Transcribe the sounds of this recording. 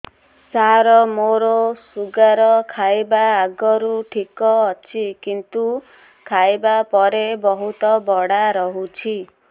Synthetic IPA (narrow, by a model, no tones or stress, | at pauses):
saɾɔmoɾosuɡaɾɔkʰajbaːɡɔɾuʈʰikɔːt͡ʃʰikint̪u | kʰajbapɔɾebɔɦut̪ɔbɔɽaɾɔɦut͡ʃʰi